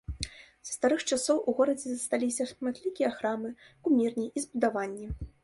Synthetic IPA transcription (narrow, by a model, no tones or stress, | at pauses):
z̥ɐst̪aɾɨxt͡ʂasɔwʔuɣɔɾɐd͡zʲɛzɐst̪alʲisʲɐʂmat̪ʲlʲikʲijɐxɾamɨ | kumʲirnʲiʔizbud̪avanʲːi